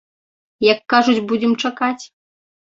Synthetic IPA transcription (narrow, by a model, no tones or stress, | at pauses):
jakːaʐut͡sʲbud͡zʲɛmt͡ʂakat͡sʲ